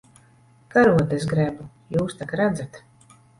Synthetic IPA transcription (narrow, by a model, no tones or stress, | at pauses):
kaɾuɔt̪es̬ɡɾɛbu | juːst̪akaɾæd̪zat̪